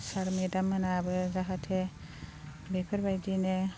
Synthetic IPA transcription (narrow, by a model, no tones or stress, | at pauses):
saɾmedamːanabɯzaɦatʰe | bepʰəɾbajdine